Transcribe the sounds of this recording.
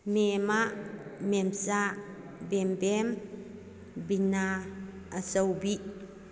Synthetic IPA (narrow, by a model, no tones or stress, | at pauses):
memaʔmɛmsa | bembem | binaː | səwbiʔ